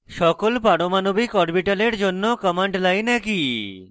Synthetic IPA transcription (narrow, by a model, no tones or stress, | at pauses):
ʃɔkolpaɽomanobikɔɾbiʈaleɾd͡ʑonːokɔmeɳɖlajnɛki